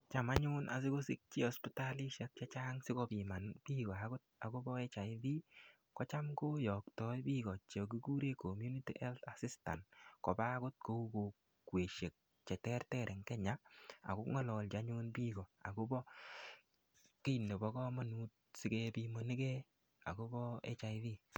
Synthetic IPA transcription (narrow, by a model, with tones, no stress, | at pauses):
t͡ʃa˨ma˦ɲʊ˦nʔa̰˨s̬ɪ˦ko˦sɪ˦k̚t͡ʃi˦ɔ˦spi˦ta˦li˦ʃɛ˦k̚t͡ʃa˦t͡ʃaː˦ŋsɪ˦kɔ˧pi˨ma˨nbiː˦ɡɔ˨a˨ɡʊ˦t̚a˨ko˦bɔ˦ɛ˦t͡ʃa˨ɪ˦ði˦ | kɔ˦t͡ʃa˦mko˦jɔ˨ktɔ˦jbi˦ɡɔ˨t͡ʃe˨k̬i˦ku˦ɾe˦ko˨mju˦ni˦tḭ˦ʔɛ˦lta˨si˦sta̰˨ntkɔ˨ba˦kʊ˦t̚ko˦u˦ko˨ | we˨ʃe˨k̚ | t͡ʃɛ˨tɛ˦rtɛ˦ɾʔɛ˨ŋkɛ˦ɲa˦a̰˨ko˦ŋɔ˦lɔ˨lt͡ʃa˦ɲu˦npiː˦ɡɔ˨a̰˨ko˦bɔ˦ | ke˦i˨ne˨bɔ˦kɔ˦mɔ˦nu˦t̚sɪ˦kɛ˦pi˧mo˨ni˦kɛ˦ | a̰˨ko˦bɔ˦ḛ˦t͡ʃa˨iði˦